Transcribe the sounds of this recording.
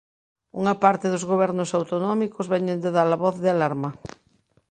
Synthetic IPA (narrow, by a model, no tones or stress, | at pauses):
uŋɐpaɾt̪ɪðʊzɣoβɛɾnʊsawt̪onɔmikʊzβɛɲend̪eðalɐβɔθðɪalaɾmɐ